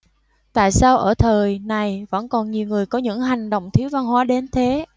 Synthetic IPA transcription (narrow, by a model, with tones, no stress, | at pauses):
t̪a̰ː˧˨jsaː˧wʔəː˧˩t̪ʰəː˨˩jna˨˩jvə̰˧˥nkɔ˨˩nɲi˨˩əwŋɨ˨˩əjkɔ˨˦ɲɨ̰˧˥ŋɦa˨˩jŋ̟ɗo̰˧˨wŋ͡mt̪ʰi˨˦əwva˧nɦwaː˨˦ɗe˨˦nt̪ʰe˨˦